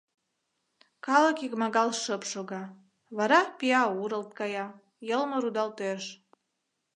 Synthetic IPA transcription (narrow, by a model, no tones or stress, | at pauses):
kɑləkikmɑɣɑlʃəpʃoɣɑ | βɑɾɑpiɑuɾə̆lt̪̚kɑjɑ | jəlmoɾud̪ɑlt̪eʃ